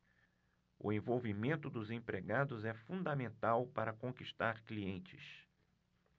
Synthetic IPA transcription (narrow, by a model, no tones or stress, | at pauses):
ʊ̰ẽvowvimẽnt̪ʊd̪ʊzẽpɾeɡad̪ʊzɛfũnd̪ɐmẽnt̪awpaɾɐkõkiʃt̪aɾkliẽnt͡ʃɪ̥̰s